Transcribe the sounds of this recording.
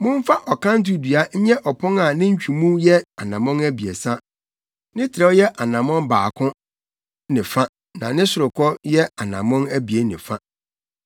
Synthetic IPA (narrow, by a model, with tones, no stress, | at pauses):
mʊ̃˦m˦fa˦ʔɔ˨kʰã˦n̩˦t̬ʊ˦dɥa˦ɲ̩˦ɲɛ˦ʔɔ˨pʰʊ̃˦ŋa˨nɪ̃˦ɲ̩˦t͡ɕᶣu˨mũ˦jɛ˦a˨nã˨mɔ̃˦næ˦bi˨e˨sa˦ | nɪ̃˦tʰɪ˨ɾɛ˦jɛ˦ʔa˨nã˨mɔ̃˦mbaː˨kʰʊ̃˦ | nɪ̃˨fã˦ | nã˨nɪ̃˦sʊ˨ɾʊ˨kʰɔ˦jɛ˦a˨nã̰˨mɔ̃˦næ˦bi˨e˦nɪ̰̃˨fã˦